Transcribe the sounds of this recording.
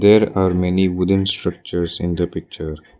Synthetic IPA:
d̪eːɾaːɾmɛniʋʊdə̃nsʈɾɐk̚t͡ʃəɾsɪ̰̃nd̪əpɪk̚t͡ʃəɾ

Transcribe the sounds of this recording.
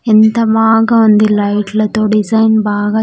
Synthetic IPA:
ɛnt̪ɐmaːɡɐʋɐnd̪ilɐɪʈlɐt̪ːoːɖɪsɐjnbaːɡɐ

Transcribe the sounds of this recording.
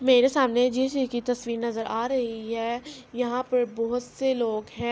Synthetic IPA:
meːɾesaːmned͡ʒeːskit̪ɐsʋiːɾnɐzəɾaːɾɐɦiɦɛːjɐɦãpɐɾbɔɦʊt̪seloːɡɦɛ̃ː

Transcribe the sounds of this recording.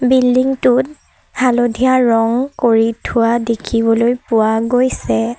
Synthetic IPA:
bildiŋtʊt̚ | halodʱijaɹɔŋkoɹitʰʊwadekʰibɔlojpʊwaɡojsɛ

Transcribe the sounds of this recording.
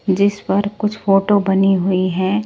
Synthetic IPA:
d͡ʒɪspɐɾkʊt͡ʃʰfoːʈobɐniɦʊiɦɛː

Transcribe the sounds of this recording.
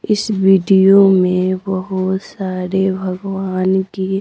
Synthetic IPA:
ɪsʋiːɖijomẽbɐɦʊsaːɾebʱɐɡwaːnki

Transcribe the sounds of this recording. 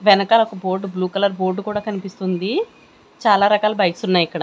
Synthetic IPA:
ʋɛnɐkaːlɐɔkɐbo̞ːɾɖbluːkɐlɐɾboːɾɖkuːɽaːkɐnipist̪und̪i | t͡ʃaːlaːɾɐkaːlɐbɐjksunːaːjikːɐɽa

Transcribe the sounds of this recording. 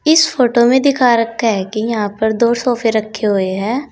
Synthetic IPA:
ɪsfoːʈomẽd̪ɪkʰaɾɐkʰaɦɛkijɐɦãpɐɾd̪oːsɔːfeɾɐkʰːeɦoeɦɛː

